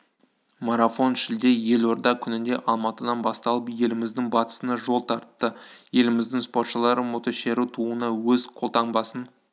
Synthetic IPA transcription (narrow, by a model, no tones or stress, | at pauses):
maɾafo̞nʃɪld̪e̞je̞lo̞ɾd̪ɑkʲʰʏnɪnd̪e̞ʔɑlˠmɑt̪əd̪ɑnbɑst̪ɑlˠəpje̞lɪmɪzd̪ɪŋbɑt̪ə̥sənɑʒo̞lˠt̪ʰɑɾt̪ːəje̞lɪmɪzd̪ɪŋspot̪ʃəlˠɑɾəmo̞t̪oʃeɾut̪ʰuənɑwɵzqʰo̞lˠt̪ʰɑɴbɑsən